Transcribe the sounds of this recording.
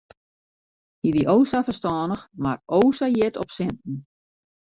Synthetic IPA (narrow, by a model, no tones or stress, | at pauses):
iʋiʔoːsafərstɔːnəxmaroːsajɪtʰɔpsɪntn̩